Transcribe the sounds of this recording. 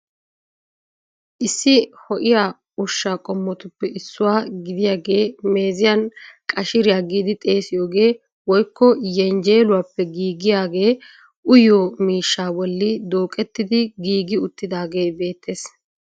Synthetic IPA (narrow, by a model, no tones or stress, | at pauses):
ʔɪsːɪhɔʔɪjaː | ʊʃːakʼɔmːɔt̪ʊpːɛʔɪsːʊwaːɡɪd̪ɪjaːɡe̞ːme̞ːzɪjɐnkʼɐʃɪɾɪjaːɡiːd̪ɪt̪ʼe̞ːsɪjo̞ːɡe̞ː | wɔjkːɔjɛnd͡ʒeːlʊwaːpːɛɡiːɡɪjaːɡe̞ː | ʔʊjoːmiːʃːaːwɔlːɪd̪oːkʼɛt̪ːɪd̪ɪɡiːɡɪʊt̪ːɪd̪aːɡe̞ːbe̞ːt̪ʰːe̞ːs